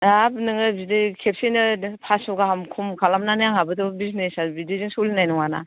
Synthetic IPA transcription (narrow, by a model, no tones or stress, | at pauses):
abnɯŋɯbidekʰep̚senɯpʰasɔɡaɦamkʰumkʰalamnanɯjaŋabɯdɔbiznesabidiziŋsulinajnɔŋana̰